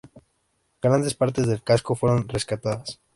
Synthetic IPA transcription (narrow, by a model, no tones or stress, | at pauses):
ɡ̥ɾand̪e̞spaɾt̪e̞zðe̞lkasko̞fweɾo̞nre̞skat̪aðas